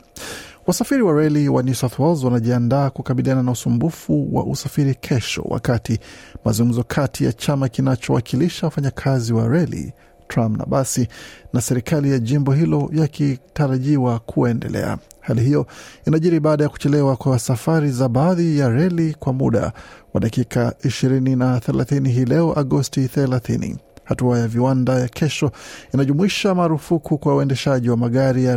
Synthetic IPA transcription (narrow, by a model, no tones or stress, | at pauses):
wasafiɾiwaɾɛliwanisaθɔzwanaʄiandaːkukaɓiliananausumbufuwa̰ʔusafiɾikʰɛʃɔ̰wa̰katimazuŋɡum̩zɔkʰatʰija̰t͡ʃamakinat͡ʃɔwa̰kʰiliʃawafaɲakʰaziwa̰ɾɛlḭ | tɾampna̰ɓasinasɛɾikalijaʄimbɔɦilɔjakitaɾaʄiwakʰuɛndɛ̰lɛ̰a̰halihijɔinaʄiɾiɓaːɗajaku̥t͡ʃɛlɛwakwasafaɾizaɓaːðijaɾɛlikwamuɗa̰wa̰ɗakikaiʃiɾininaθɛla̰θiniɦiːlɛɔʔaɠɔstiθɛlaθinḭhatuajaviwandajakʰɛʃɔinaʄumuiʃamaːɾufukʰukwauɛndɛʃaʄiwamaɠaɾija